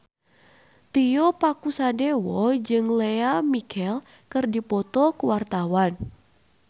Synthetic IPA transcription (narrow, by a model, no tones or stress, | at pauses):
t̪ijopakusadewɔd͡ʒɨŋleamikʰɛl | kɨrdipɔt̪ɔkəwart̪awan